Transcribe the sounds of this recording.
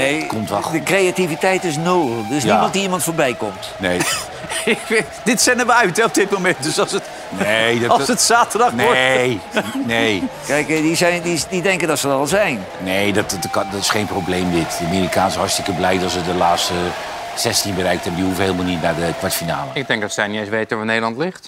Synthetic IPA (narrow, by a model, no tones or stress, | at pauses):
nejkɔmtʋadəkrejativitɛjtɪs̬noːəlˠdɵs̬nimɑnt̚diimɑntfoːɹbɛjkɔmtnej | dɪtsɛnəʋəœɥtɛɔp̚dɪt̚momɛntdøsɑlˠsət | neɑlˠsətsaːtədɑxn | nejkɛjkdizɛjndididɛŋkədɔtsəɔlˠzɛjn | neːdɔtkdɔtɪsχejnprowbleːmdɪtdəamiːɾikaːnsəhɔɹtstɪkəblɛjdɔtsədəlaːstə | sɛstinbərɛjkthɛbəndihuvəɦeːlˠmalˠnitnadəkʋatfina̰ːləɪɡ̚dɛŋk̚dɔsɛnɛsʋejtəʋanedəlɑntlɪxt